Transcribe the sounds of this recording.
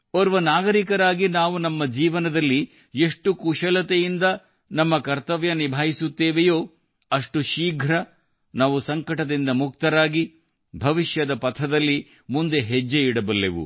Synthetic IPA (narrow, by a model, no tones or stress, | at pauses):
ɔɾʋɐnaːɡɐɾikɐɾaːɡinaːʋunɐmːɐd͡ʒiːʋɐnɐd̪ɐlːi | e̞ʂʈukuʃɐlɐt̪ejind̪ɐ | nɐmːɐkɐɾt̪ɐʋjɐnibʱaːjisut̪ːeːʋejo̞ː | ɐʂʈuʃiːɡʱɾɐ | naːʋusɐŋkɐʈɐd̪ind̪ɐmuk̚t̪ɐɾaːɡi | bʱɐʋiʃjɐd̪ɐpɐt̪ʰɐd̪ɐlːi | mund̪e̞ɦed͡ʒːeiɽɐbɐlːeʋṵ